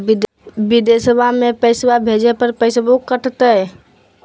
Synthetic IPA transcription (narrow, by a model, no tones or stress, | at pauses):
bid̪esəbamepəjsbabʱed͡ʒepəɾpəɪsbokəʈt̪əj